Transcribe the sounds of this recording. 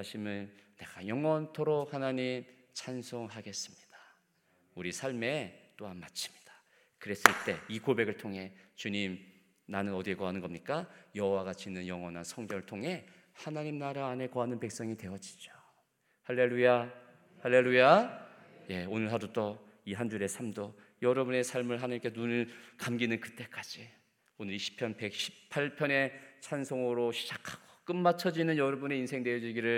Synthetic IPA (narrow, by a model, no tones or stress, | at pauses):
aɕʰimɯnːe̞ɡ̥ajʌŋwʌntʰoɾok̚hanaɲim | t͡ɕʰansʰoŋɦaɡe̞s͈ɯmɲid̥ḁ | uɾisʰaɭme̞t͈oɦanmat͡ɕʰi̥mɲid̥ḁ | kɯɾe̞s͈ɯɭt͈e̞ikobe̞ɡɯɭtʰoŋɦe̞t͡ɕuɲim | nanɯnʌdiekoɦanɯnɡʌmɲik͈ajʌɦowaɡat͡ɕʰinɯnjʌŋʌnansʰʌŋɡjʌŋɯɭtʰoŋɦe̞ | hanaɲimnaɾaːne̞koɦanɯnpe̞k̚s͈ʌŋitwe̞ʌd͡ʑi̥d͡ʑo̥ | haɭːe̞luja | haɭːe̞luja | je̞onɯɭɦadot͈ʌ | iɦand͡ʑuɾe̞sʰamdo | jʌɾʌbune̞sʰaɭmɯɭɦanɯɭk͈enunɯɭkamɡinɯnkɯ̥t͈e̞k͈ad͡ʑi | onɯɾiɕʰi̥pʰjʌnpe̞k̚ɕʰi̥ppʰaɭpʰjʌne̞t͡ɕʰansʰoŋɯɾoɕʰi̥d͡ʑakʰḁɡ̥o̥k͈ɯmmat͡ɕʰʌd͡ʑinɯnjʌɾʌbune̞insʰe̞ŋdeʌd͡ʑiɡiɾɯɭ